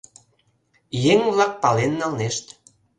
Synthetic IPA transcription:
jeŋβlɑk̚pɑlenːɑlneʃt̪

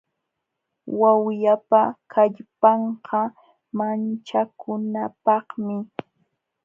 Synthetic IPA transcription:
wawjapakʰaʎpɑɴqɑ | mant͡ʃakʊnapɑχmɪ

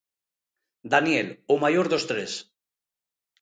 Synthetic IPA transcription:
d̪anjelomajoɾðost̪ɾes

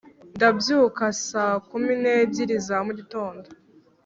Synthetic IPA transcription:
ndabjuːkasaːkumineɟiɾizamuɟito̞ːndo

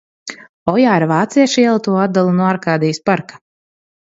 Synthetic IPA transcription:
ɔjaːɾvaːt̪siɛʃiɛlˠat̪uɔad̪alˠunuaɾkaːd̪ijspaɾkḁ

